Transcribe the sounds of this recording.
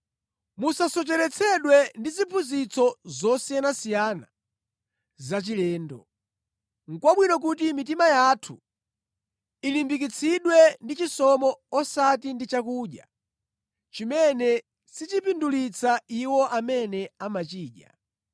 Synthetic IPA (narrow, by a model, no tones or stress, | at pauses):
musasɔt͡ʃɛɾɛt͡sʰɛɗwɛndizipʰunzit͡sʰɔzɔsijanasijana | zat͡ʃilɛːndɔ̰ | ŋ̩kwaɓwinɔk̬ut̬imit̬imajatʰu | ilimbik̬it͡sʰiɗwɛndit͡ʃisɔmɔːsat̬indit͡ʃakuːɗja̰ | t͡ʃimɛnɛ | sit͡ʃipindulit͡sʰaiwɔʔamɛnɛamat͡ʃiːɗja̰